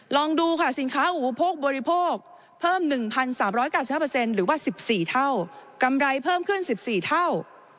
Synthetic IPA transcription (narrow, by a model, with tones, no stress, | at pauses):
lɔː˧ŋduː˧kʰa˥˩si˨˩˦nkʰaː˦˥ʔuː˨˩˦pʰoː˥˩k̚bɔː˧ɾi˧pʰoː˥˩k̚ | pʰɤː˥˩mnɯ˨˩ŋpʰa˧nsaː˩˦mɾɔː˦˥jkaː˥˩si˨p̚haː˥˩˧se˧nɾɯː˩˦waː˥˩si˨˩p̚siː˨˩t̪ʰa˥˩wka˧mɾa˧jpʰɤː˥˩mkʰɯ˥˩nsi˨˩p̚siː˨˩t̪ʰa˥˩w